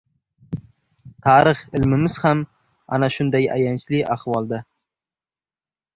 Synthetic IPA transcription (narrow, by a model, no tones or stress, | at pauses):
t̪ʰɑɾɪχɪlmɪmɪz̥ham | a̰naʃʊnd̪aja̰jant͡ʃʰlɪʔaχwɒlˠd̪a